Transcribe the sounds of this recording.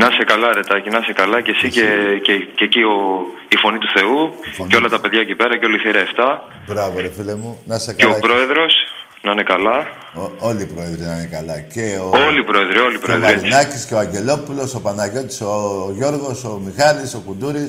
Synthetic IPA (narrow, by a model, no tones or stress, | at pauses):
nɐsekɐlɐɾet̪ɐcinɐsekɐlɐce̞sicecececioifo̞nit̪uθe̞uoceo̞lɐt̪ɐpeðʝɐecipe̞ɾɐceo̞lɐiθiɾɐeft̪ɐ | bɾɐvoɾefilemunɐsekeopɾo̞e̞ðɾo̞s | nɐnekɐlɐ | oliːpɾo̞e̞ðɾinɐnekɐlɐce̞oo̞lipɾo̞eðɾiolipɾoeðɾelinɐcisceoɐɲɟe̞lo̞pulo̞so̞pɐnɐʝo̞t̪i̥soʝo̞ɾɣo̞so̞mixɐliso̞kud̪uɾis